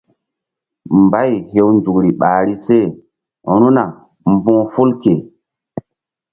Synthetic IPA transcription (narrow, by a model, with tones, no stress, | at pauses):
mba˦˨jɦe˦wnd͡ʒu˨kɾi˨ɓaː˨ɾi˦se˦˨˦ | ɾ̃ũ˦na˨ | m˦bɔ̃˦fo˦lke˨